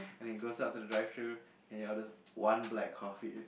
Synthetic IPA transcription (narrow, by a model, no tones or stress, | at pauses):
ɛ̃ñiɡosaʊt̚udədɹaɪvtʰɹu | ɛ̃niɔdəs | wãnblɛkʰːɔfḭ